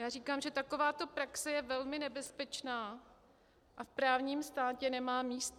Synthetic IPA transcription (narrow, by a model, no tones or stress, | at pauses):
jaːriːkaːmʒɛt̪ako̞vaːt̪o̞pɾaksɛjɛvɛlmɪnɛbɛspɛt͡ʃnaː | ʔafpɾaːvɲiːmst̪aːcɛnɛmaːmiːst̪